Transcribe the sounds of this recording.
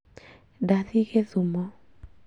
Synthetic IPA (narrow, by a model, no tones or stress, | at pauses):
daðiɣeðumɔ